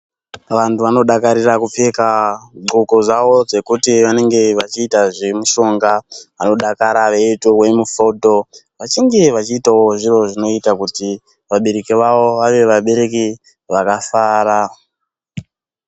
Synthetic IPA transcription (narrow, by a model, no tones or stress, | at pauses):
ʋantuʋano̞ɗakaɾirakupe̞kaɡ͡ǃʱukozawo̞d͡ze̞kutiʋane̞ŋɡe̞ʋat͡ʃiːtaʐe̞muʃo̞ŋɡaʋano̞ɗakaɾaʋeitowe̞mufoto̞ | ʋat͡ʃiŋɡe̞ʋat͡ʃiːtawo̞ʐiro̞ʐino̞itakuti | ʋaɓe̞ɾe̞kiʋawo̞ʋaʋe̞ʋaɓe̞ɾe̞k̬i | ʋakafaːɾa